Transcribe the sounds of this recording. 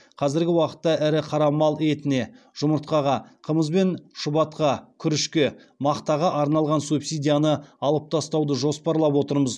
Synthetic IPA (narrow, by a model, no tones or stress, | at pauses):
qʰɑzɪɾɡʲɪwɑqə̥t̪ːɑʔɪɾɪqʰɑɾɑmɑlˠe̞t̪ɪne̞ | ʒ̥ʊməɾt̪̚qɑʁɑqʰəməzbe̞nʃʊbɑt̪̚qɑkʲʰʏɾɪʃkʲe̞ | mɑqt̪ɑʁɑʔɑɾnɑlˠʁɑnsupsijd̪ʲijanəɑlˠəp̚t̪ʰɑst̪ɑwd̪əʒo̞spɑɾlˠɑpwo̞t̪əɾməz